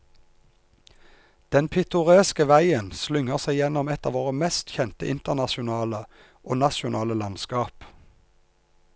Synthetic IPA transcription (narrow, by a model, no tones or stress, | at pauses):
d̪̥ɛnpʰɪt̪ʊʁeːskəʋæɪənslʏŋəʁsæɪjɛnɔmɛt̪ɑːʋoːʁəmɛst̪çɛnt̪ə̰ʔɪnt̪əʁnɑʃʊnɑːlə | ʔoːnɑʃʊnɑːləlɑnskɑːp